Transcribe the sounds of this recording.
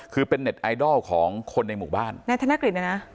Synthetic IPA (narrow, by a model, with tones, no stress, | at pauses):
kʰɯː˧pe˧nːe˨˩t̪̚ʔa˧jdɔ˥˩kʰɔː˩˦ŋkʰo˧nːa˧jmuː˨˩baː˥˩nna˧t̪ʰa˧na˦˥kɾi˨˩t̪̚a˧˩na˦˥